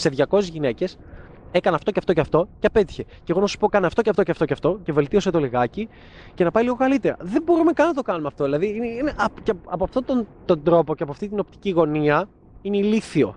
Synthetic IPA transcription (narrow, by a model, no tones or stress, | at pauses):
se̞ðʝɐko̞sezʝine̞ce̞s | e̞kɐnɐft̪o̞ceɐft̪o̞ceɐft̪o̞ceɐpe̞t̪i̥çe̞ceɣo̞nɐsu̥po̞kɐneɐft̪o̞ceɐft̪oceɐft̪oceɐft̪o̞ce̞ve̞lt̪io̞se̞t̪o̞liɣɐci | ce̞nɐpɐiliɣo̞kɐlit̪eɾɐ̰ðe̞mbo̞ɾumekɐnɐt̪okɐnumeɐft̪oðilɐðiineineʔɐpceɐpoɐft̪ot̪ont̪o̞nd̪ɾo̞po̞ceɐpɐft̪it̪̬ino̞pt̪i̥ciɣo̞niɐ | ineiliθio̞̰